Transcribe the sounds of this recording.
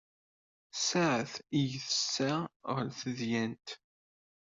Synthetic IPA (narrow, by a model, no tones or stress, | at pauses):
saʕəθijəθəsːaʁəlθəðjænt̪